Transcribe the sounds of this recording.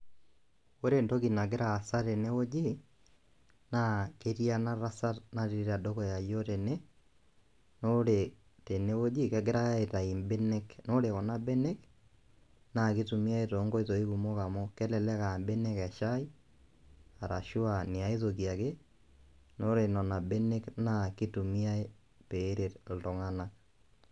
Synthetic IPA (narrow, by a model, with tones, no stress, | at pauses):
o˦ɾe˨ndɔ˦ɣi˨na˨k̬e˦ɾa˨sa˦ɾe˨ne˦o˦d͡ʒe | na˦ke˦ɾia˦na˦ɾa˦sa˦ɾna˦ɾi˨ɾeɾa˨dɔ˦kɔ˨ja˨jɔ˦ɾe˨nɛ | noɾe | te˨ne˦wo˦d͡ʒi˦kɛ˦ɡe˦ɾa˦eta˨i˨mbɛ˦nɛkno˦ɾeɣɔ˨na˦bɛ˦nɛ˦k | na˦˨ki˦tu˨mi˦a˦e˦to˨˦ŋɡo˦i˦ðo˨i˦ku˨mo˦ka˨mo˦kɛ˦lɛ˨lɛ˦ka˨mbe˦ne˦kɛ˨ʃa˦i˦ | a˨ɾa̰˨ʃu˦a˨ni˨a˨i˦ðo˨kja˨ke˦ | no˦ɾe˨nɔ˨na˨be˦ne˦kna˦˨ki˦tu˨mi˦a˦e˦ | peː˨˦ɾe˨tl̩˨to˨ŋa˦na˦